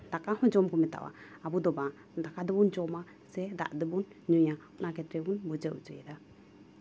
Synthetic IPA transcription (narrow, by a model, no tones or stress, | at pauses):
d̪akaɦɔ̃d͡ʒɔmkɔmɛt̪a̰wa̰abud̪ɔbã | d̪akad̪ɔbɔnd͡ʒɔma | sɛd̪a̰ʔd̪ɛbunɲujaɔnakɛt̪ɾɛbunbud͡ʒəwd͡ʒɔjɛd̪a